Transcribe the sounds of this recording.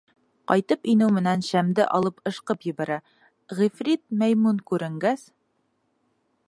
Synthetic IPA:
qɒjt̪ɤpinɘwmɘ̆nænɕæmd̪ɘʔɒlˠɤpɤ̆ʃqɤpjɘ̆βæɾæ | ʁifrʲit̪̚mæjmunkʉɾɘ̆ŋɡæs

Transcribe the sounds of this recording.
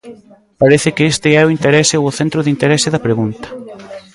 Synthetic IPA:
paɾeθɪkɪest̪ɪɛʊint̪eɾɛsɪoʊθent̪ɾʊðint̪eɾɛsɪðɐpɾeɣunt̪ɐ̥

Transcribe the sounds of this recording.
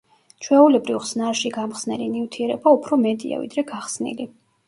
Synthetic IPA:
t͡ʃʰwɛulɛbɾivʁsnaɾʃiɡamχsnɛlinivt̪ʰiɛɾɛbaupʰɾɔmɛd̪ḭa̰vḭd̪ɾɛɡaχsnḭli

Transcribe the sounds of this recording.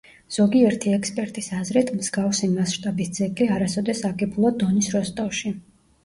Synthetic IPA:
z̥ɔɡiɛɾt̪ʰiɛkspʼɛɾt̪ʼisazɾit̪ʰmsɡafsimasʃt̪ʼabisd̪z̥ɛkʼiaɾasɔd̪ɛsakʼɛblˠɔd̪ɔnisɾɔst̪ʼɔfʃi

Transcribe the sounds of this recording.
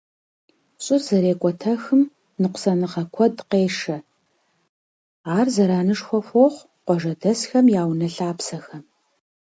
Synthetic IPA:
ɕʼɪrzɐɾeːkʷʼɔtʰɐxɨm | nɨqʷsɐnɨʁɐkʷʰɔdqeːʂɐ | aːrzɐɾaːnɨʂxʷɔfʷoχʷ | qʷɔʒɐdɐsxɐmjaːwnɐɬaːpsɐxɐm

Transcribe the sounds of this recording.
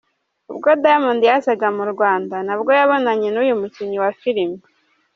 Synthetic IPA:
ubɡodajamundijazaɡamuɾɡwaːndanabɡo̞jaβo̞naɲenujumuciɲiwafiɾimi

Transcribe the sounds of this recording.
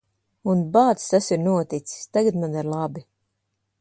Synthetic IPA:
unbaːt̪st̪asiɾnuɔt̪it̪si̥st̪aɡat̪manaɾlˠabi

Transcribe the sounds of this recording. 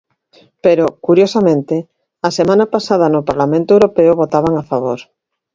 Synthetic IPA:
peɾokuɾjosamẽnt̪ɪ | asemãnapasað̞anʊpaɾlamẽnt̪oewɾopeʊβot̪aβ̞aŋafaβ̞oɾ

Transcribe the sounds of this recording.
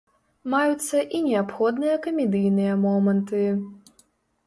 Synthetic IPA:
majut̪sːɐʔinʲɛapxɔd̪nɨjɐkɐmʲɛd̪ɨjnɨjɐmɔmɐnt̪ɨ

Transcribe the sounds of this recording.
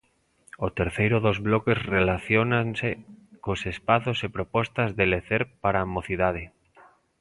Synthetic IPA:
ot̪eɾθejɾoðozβlokezrelaθjonansekosespaθosepɾopost̪azðeleθeɾpaɾaːmoθiðað̞e

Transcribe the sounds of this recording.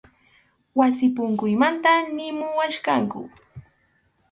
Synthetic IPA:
wasɪpʊŋkʊjmant̪anɪmʊwaʃkaŋkʊ̰

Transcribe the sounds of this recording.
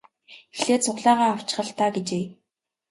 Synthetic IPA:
xeɮeːt͡sʰʊʁɮaːʁaːaw̥t͡ɕɪχə̆ɬt̪aːɡet͡ɕeː

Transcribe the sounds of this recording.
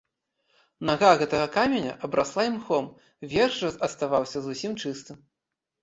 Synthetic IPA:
naɣaɣɛt̪ɐɣɐkamʲenʲɐ̰ʔɐbɾaslˠaimxɔm | vʲɛrʐɐɐt̪st̪avawsʲɐzusʲimt͡ʂɨst̪ɨm

